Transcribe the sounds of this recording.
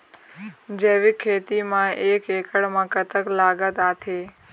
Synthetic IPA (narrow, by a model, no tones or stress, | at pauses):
d͡ʒeːʋikʰeːt̪imãeːkeːkʰəɽmãkət̪əklaːɡət̪aːt̪ʰeː